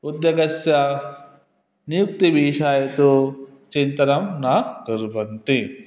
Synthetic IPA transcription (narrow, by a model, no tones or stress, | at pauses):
ud̪jɐɡɐsjɐ | nijuk̚t̪ibʱiːʃaːjɐt̪u | t͡ʃint̪ɐnɐmnaɡɐɾbɐnt̪i